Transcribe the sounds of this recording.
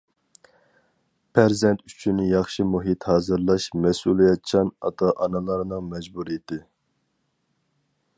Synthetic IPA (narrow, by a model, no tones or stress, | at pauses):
pʰæɾzɛnt̪yt͡ʃʰynɪjɑχʃimuɦit̪hɑːzɨɾlˠɑʃmɛsulˠijɑt̪t͡ʃʰɑnɑ̰t̪ʰɑʔɑnɨlˠɑɾnɨŋmɛd͡ʒbuɾijɪt̪ʰɪ